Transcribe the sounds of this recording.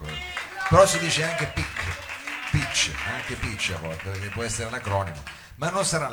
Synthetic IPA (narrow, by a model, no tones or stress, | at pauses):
peɾɔsid̪iːt͡ʃeaŋk̟epikʰːpit͡ʃːaŋkepit͡ʃːa̰vːɔlt̪epek̟epːwɔɛsːeɾelakɾɔːnimo̰ | manːonsaɾal